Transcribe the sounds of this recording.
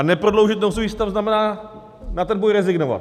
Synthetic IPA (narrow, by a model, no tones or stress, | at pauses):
nɛpɾodlowʒɪt̪̚nows̬uviːst̪avznamɛnaː | nat̪ɛnbojɾɛzɪɡnova̰t̪